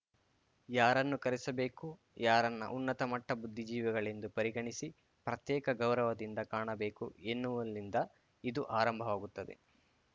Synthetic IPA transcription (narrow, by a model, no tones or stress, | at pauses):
jaːɾɐnːukɐɾisɐbe̞ːku | jaːɾɐnːɐ̰ʔunːɐt̪ɐmɐʈːɐbud̪ʱːid͡ʒiːʋɛɡɐɭe̞nd̪upɐɾiɡɐɳisi | pɾɐt̪jɛːkɐɡɐwɾɐʋɐd̪ind̪ɐkaːɳɐbe̞ːkuenːuʋɐlːind̪ɐ | id̪uʔaːɾɐmbʱɐʋaːɡut̪ːɐd̪e̞̰